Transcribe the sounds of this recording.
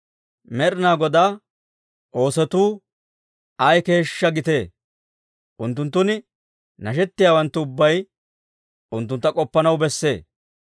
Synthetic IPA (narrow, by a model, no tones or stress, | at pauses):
mɛɾɪnaːɡɔd̪aː | ʔo̞ːsɛt̪uː | ɐjke̞ːʃːɐɡɪt̪e̞ː | ʔʊnt̪̬ːʊnt̪ːʊnɪ | nɐʃ̬ɛt̪ːɪjaːwɐnt̪ːʊʊbːɐj | ʊnt̪ːʊnt̪ːɐkʼɔpːɐnɐwbɛsːe̞ː